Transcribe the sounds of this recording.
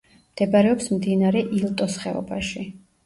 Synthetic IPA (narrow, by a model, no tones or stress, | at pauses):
md̪̥ɛbaɾɛɔpsmd̪inaɾɛʔilˠt̪ʼɔsχɛɔ̰baʃi